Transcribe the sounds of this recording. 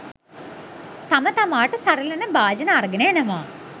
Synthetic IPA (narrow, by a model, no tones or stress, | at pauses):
t̪amət̪amaːʈəsaɾəlɐnəbaːd͡ʒənəarɡənəjenəʋaː